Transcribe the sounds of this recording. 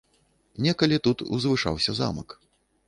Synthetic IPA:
nʲɛkɐlʲit̪ut̪ṵzvɨʂa̰wsʲɐza̰mɐk

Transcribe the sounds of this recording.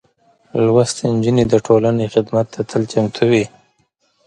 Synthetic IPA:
lwast̪ɲd͡ʒuned̪əʈʰolanexɪd̪mat̪ːat̪ʰəlt͡ʃamt̪ʰuwi

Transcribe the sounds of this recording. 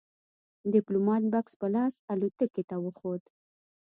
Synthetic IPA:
d̪ɪplomɑt̪̚bakspəlɑsalot̪əket̪awəxod̪

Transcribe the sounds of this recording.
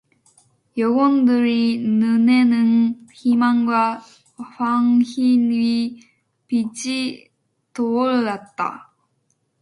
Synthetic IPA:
jʌɡondɯɾinɯnenɯnçimaŋɡwa | ɸaŋçinɥi | pid͡ʑi | toːɭːat̚t͈a̰

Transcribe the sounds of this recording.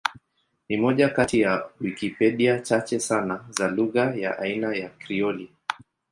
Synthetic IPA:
nimɔʄakatijawikipɛɗiat͡ʃat͡ʃɛsanazaluɣaja̰ʔainajakɾiɔli

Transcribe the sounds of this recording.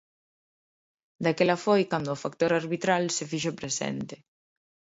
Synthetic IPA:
d̪akelafojkand̪ʊːfakt̪oɾaɾβit̪ɾalsefiʃopɾesɛ̰nt̪e̥

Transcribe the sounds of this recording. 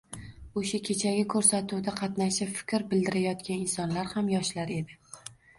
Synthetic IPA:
oʃakʲʰe̞t͡ʃʰaɡʲɪkʰɵɾsat̪ʰuwd̪aqʰɑt̪naʃafɪ̥kʲɾbɪld̪ɪɾajɒt̪kʲʰanɪnsɒnlaɾhamjɒʃlaɾe̞d̪ɪ

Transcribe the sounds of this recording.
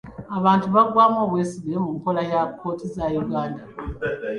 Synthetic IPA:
aβaːntuβaɡwaːmo̞ːβwe̞ːsiβiɾemuŋko̞lajakʰːo̞ːtʰizajuɡaːnda

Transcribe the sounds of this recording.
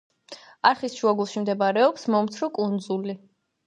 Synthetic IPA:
aɾχisʃuaɡulˠʃimd̪ɛbaɾɛɔksmɔmt̪sʰɾɔkʼund̪zuli

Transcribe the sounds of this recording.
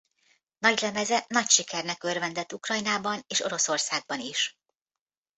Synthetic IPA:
nɒɟlɛmɛzɛnɒcʃikɛrnɛkørvɛnd̪ɛt̪ːukrɒjnaːbɒneːʃo̞ɾo̞so̞rsaːɡ̚bɒniʃ

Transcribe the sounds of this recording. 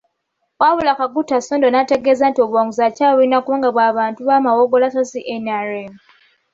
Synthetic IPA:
waβulakaɡutːasondonate̞ɡeːzantio̞βwaŋuzacaːβuɾinakuaːŋɡaβwaːβaːntuβamawoɡo̞lasasiʔenaɾem

